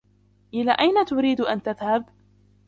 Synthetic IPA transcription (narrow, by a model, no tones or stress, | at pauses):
ʔɪla̰ːʔajnat̪ʊɾiːd̪ʔant̪aðhab